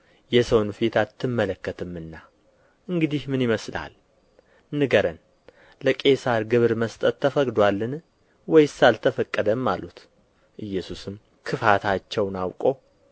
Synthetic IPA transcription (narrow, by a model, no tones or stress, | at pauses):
jɛsəwnfet̪ʰat̪ʰːɨmːələkːət̪ʰɨmːɨnːa | ʔɨŋɡɨd̪ihmɨnjɪməsla̰l | nɨɡəɾən | ləkʼe̞saɾɡɨβɾməst̪ʼət̪ːəfəkʼd̪walːɨn | wɔjsalt̪ʰəfəkʼːəd̪əmːalut̪ | ʔɨjːɛsusɨm | kʰɨfat̪ʰat͡ʃːɛwnawkʼo̞